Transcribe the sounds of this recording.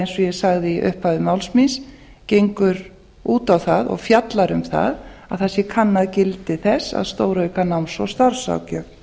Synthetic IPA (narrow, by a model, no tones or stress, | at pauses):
ejnsɔjɛsaɣðɪiʔʏ̰hpaðʏmawlsmins | cejŋkʏɾ | uːt̪awθaðɔ̰ɣfjat̪laɾʏmθa̰ðaðθɛsjɛkʰanːaðcɪlt̪ɪθɛsːa̰ðst̪oːwɾœɥkanawnsɔwst̪aɾsa̰wcʏ